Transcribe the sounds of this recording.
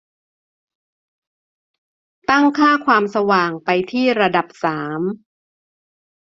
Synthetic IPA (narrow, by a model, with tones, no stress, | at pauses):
t̪a˥˩ŋkʰaː˥˩kʰwaː˧msa˧waː˨˩ŋpa˧jt̪ʰiː˥˩ɾa˧da˨˩p̚saː˩˦m